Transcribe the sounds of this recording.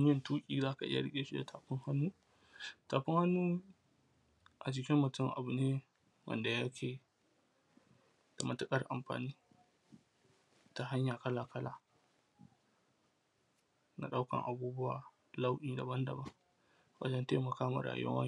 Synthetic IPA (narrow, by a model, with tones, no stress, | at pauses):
m˦ɪ˦ntuː˦kʲʼiː˨zaː˦ka˨ʔɪ̰˦ja̰˨ɽɪ˦kʲʼe˨ʃi˦da˨tʰaː˨ɸɪ˦ŋha˦nːuː˦ | taː˨ɸɪ˦ŋha˦nːuː˦ | ʔa˨t͡ʃɪ˨kʲɪ˦mːɐ˨tɪ˦ŋʔa̰˨bʊ˨neː˦ | wʔɐ̰˦˨nda˨ja˦kʲʰeː˨ | d̥a˨mɐ˨tʊ˦kʼɐ˦rʔa̰˨mɸa̰ː˨niː˦ | ta˨ɦa˦ɲjaː˨kɐ˦laː˨kɐ˦laː˨ | na̰˨ɗa˦wkɐ̰˨ŋʔa˨buː˦bʊ˦wa̰ː˨ | la˦wʔiː˨dɐ˨bɐ˦ndɐ̰˨bɐ˦ŋ | wɐ̰˦d͡ʒɐ˦ntaː˦mɐ˨kaː˦ma̰˨ɾa̰ː˨jʊ̰˦ɐ̰˦a̰˦